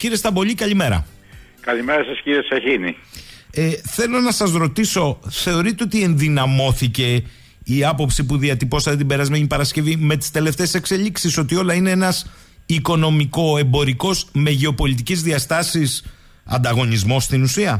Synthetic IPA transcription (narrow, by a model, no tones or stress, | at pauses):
ciɾest̪ɐbo̞ʎikɐʎime̞ɾɐ̰ | kɐlimeɾɐsɐsciɾieseçinieθe̞lo̞nɐsɐzɾo̞t̪iso̞θe̞o̞ɾit̪e̞o̞t̪ie̞nðinɐmo̞θice̞ | iɐpo̞psipuðiɐt̪ipo̞sɐt̪et̪ibe̞ɾɐzmeɲipɐɾɐsce̞vime̞t̪i̥st̪e̞le̞ft̪e̞ːsekse̞ʎiksiso̞t̪io̞lɐine̞enɐs | iko̞no̞miko̞e̞mbo̞ɾiko̞zme̞ʝe̞o̞po̞lit̪̬icizðiɐst̪ɐsis | ɐ̰nd̪ɐɣo̞nizmo̞st̪inusiɐ